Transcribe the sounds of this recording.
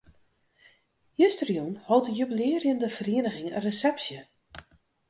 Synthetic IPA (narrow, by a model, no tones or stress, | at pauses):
jøstərjunhɔwˠtəjybilɪərjəndəvəriːənəɣɪŋə̰resɛpsjə